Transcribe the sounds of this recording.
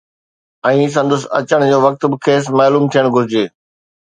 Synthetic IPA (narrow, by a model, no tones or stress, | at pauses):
ɛ̃ːs̬ɐ̃nd̪ʊsɐ̰t͡ɕəɽ̃d͡ʑoːʋɐk̚t̪bɪkʰeːs̬maːluːmt̪ʰijəɽ̃ɡʱʊɾɪd͡ʑeː